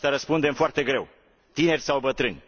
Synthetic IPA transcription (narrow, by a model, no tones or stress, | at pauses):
t̪aɾəspund̪e̞mfoart̪e̞ɡɾe̞w | t̪ine̞rʲsawbət̪ɾɨnʲ